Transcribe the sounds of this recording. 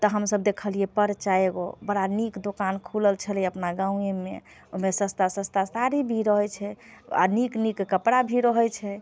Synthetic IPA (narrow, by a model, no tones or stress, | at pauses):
t̪ɔɦəmsəb̚d̪ekʰəliɛpəɾt͡ʃaeɡo̰bəɽanikd̪okankʰuləlt͡ʃʰəlɛəpnaɡãũemḛ | oɦmesəst̪asə̃st̪asaɾibʱiɾəɦɔt͡ʃʰɛ | a̰niknikːəpɽabʱiɾəɦɔt͡ʃʰɛ